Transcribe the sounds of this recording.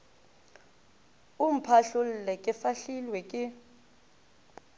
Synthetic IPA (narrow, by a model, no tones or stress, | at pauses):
um̩pʰaɬul̩lɛkʼɪfaɬilwɛkʼɪ